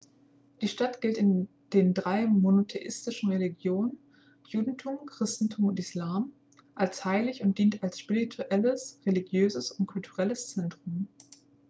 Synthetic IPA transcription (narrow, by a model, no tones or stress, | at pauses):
d̥iːʃtatɡ̥ɪltɪn | d̥eːndʁaɪmonotʰeʔɪ̰stɪʃn̩ʁeliɡjoːnən | juːdn̩tʰuːmkʁ̥ɪstn̩tʰuːmʊntɪslaːm | ʔalshaɪlɪçʊnt̚d̥iːntalsʃpiʁitʰuʔɛləsʁeliɡjøːzəsʊntkʰʊltʰuʁɛləst͡sɛntʁ̥ʊm